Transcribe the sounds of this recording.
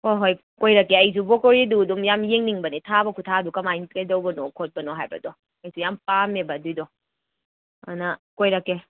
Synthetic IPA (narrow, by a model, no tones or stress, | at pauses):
oɦoj | kojɾɐkːeɐjsubokoɾidudumjamjeŋniŋbɐnitʰabɐkʰutʰadukɐmainkajdɐwbɐnɔkʰot̚bɐnɔɦajbɐ̰dɔ | ɐjsujampamebɐdujdɔ | a̰nɐkojɾɐkːe